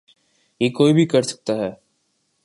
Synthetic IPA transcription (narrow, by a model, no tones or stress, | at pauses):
jeːkoːibʱikɐɾsɐ̥k̚t̪aɦɛː